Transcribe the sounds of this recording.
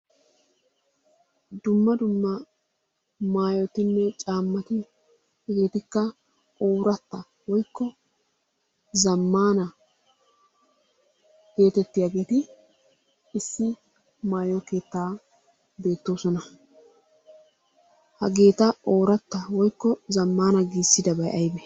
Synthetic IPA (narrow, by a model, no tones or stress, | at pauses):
d̪ʊmːɐd̪ʊmːɐ | maːjɔt̪ɪnːɛt͡ʃʼaːmːɐt̪ɪ | hɐɡe̞ːt̪ɪkːɐ | oːɾɐt̪ːɐ | wɔjkːɔ | zɐmːaːnɐ | ɡ̥e̞ːt̪ɛt̪ːɪjaːɡe̞ːt̪ɪ | ɪsːɪ | maːjɔke̞ːt̪ːaː | be̞ːt̪ːo̞ːsɔnɐ | hɐɡe̞ːt̪ɐo̞ːɾɐt̪ːɐwɔjkːɔzɐmːaːnɐɡiːsːɪd̪ɐbɐjʔɐjbɛ